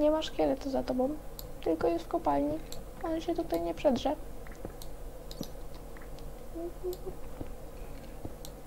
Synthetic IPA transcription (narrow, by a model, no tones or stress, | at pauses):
ɲɛmaʂkʲɛlɛt̪ɔzat̪ɔbɔ̃w̃ | t̪ɘlkɔjɛst̪kɔpalɲi | ɔnɛɕɛt̪ut̪ajɲɛpʂɛd̪ʐɛ | m̩